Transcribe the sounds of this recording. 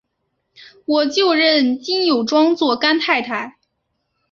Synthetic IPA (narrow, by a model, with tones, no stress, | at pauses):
wɔ˨˩t͡ɕjo˥˧ʊɻə˥˧nt͡ɕi˥njo˨˩ʊʈ͡ʂwɑ˥ŋt͡swɔ˥˩ka˥nt̪ʰa˥˧ɪt̪ʰa˧˥ɪ